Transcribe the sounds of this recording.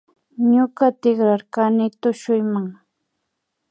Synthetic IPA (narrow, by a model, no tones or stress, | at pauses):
ɲʊkat̪ɪkɾaɾkanɪt̪ʊʃʊjmaŋ